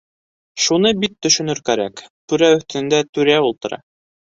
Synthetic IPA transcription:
ʃunɤbit̪ːɵ̆ʃɵ̆nɵɾkæɾækt̪ʉɾæɵ̆θt̪ɘ̆nɘ̆nd̪æt̪ʉɾæulˠt̪ɤ̆ɾɑ̰

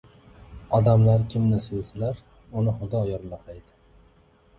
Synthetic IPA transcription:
ɒd̪amlaɾkʲʰɪmnɪsojsalaɾ | ʊnɪχʊd̪ɒjɒɾlaqʰajd̪ɪ

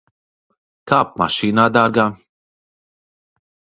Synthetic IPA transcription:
kɐːp̚mɐ̰ʃiːnɐd̪ɐɾɡɐ

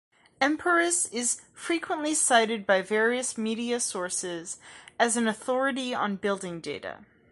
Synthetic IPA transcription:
ɛ̃mpʰə˞ɨsɪz̥fɹikʰwə̃nʔlisaɪɾɨd̚baɪvɛɹiɨsmiɾiɨsɔɹsɪzɨz̃n̩ɨθɔɹɨɾiə̰̃nbɪlˠdɪ̃ŋdeɪɾə̰

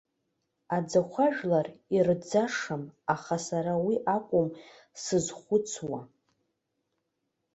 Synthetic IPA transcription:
ad͡zaχʷaʒᶣlarird͡zaʂamaχasaɾawiʔakʷʼʊm | sɨzχʷʊt͡sʰwa

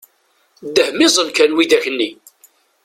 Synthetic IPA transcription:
d̪ːəhmɪzˤəlkænwid̪æçənːi

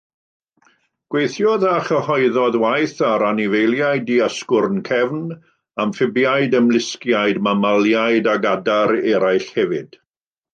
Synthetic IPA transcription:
ɡ̥wejθjɔðaχəhɔɨðɔðwajθaɾanivejlˠjaɨdiaskʊrnkʰɛvn | amfɪbjajdəmlˠɪskjajdmamalˠjajdaɡadaɾɛɾajɬhɛvɪd̥

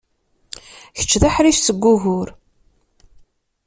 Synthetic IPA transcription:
çə̥t͡ʃːðaħɾifsəɡʷːʊɣʊɾ

